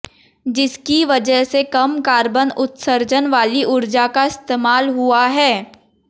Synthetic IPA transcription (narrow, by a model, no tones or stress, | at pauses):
d͡ʒɪskiʋɐd͡ʒəɦsekɐmkaːɾbənʊt̪səɾd͡ʒənʋaːliʔʊɾd͡ʒakaɪst̪eːmaːlɦuaɦɛː